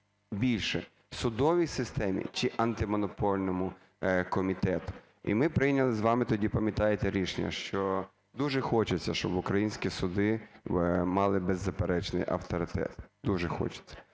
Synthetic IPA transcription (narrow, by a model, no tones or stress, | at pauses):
bʲilʲʃɛ | sʊd̪ɔʋʲijsɪst̪ɛmʲḭt͡ʃɪʔɐnt̪ɪmɔnɔpɔlʲnɔmʊ | kɔmʲit̪ɛt̪ʊ̥ | ḭmɪpɾɪjnʲɐlˠɪzʋɑmɪt̪ɔdʲipɐmʲjɐt̪ɑjet̪ɛɾʲiʃenʲːɐ̰ʃt͡ʃɔ | d̪uʒɛxɔt͡ʃɪt͡sʲːɐʃt͡ʃɔbʊkɾɐjinʲsʲkʲisʊd̪ɪ | mɑlˠɪbezːɐpeɾɛt͡ʃnɪ̰jʔɐ̰wt̪ɔɾɪt̪ɛ̰t̪d̪uʒɛxɔ̰t͡ʃɪ̥t͡sʲːɐ̥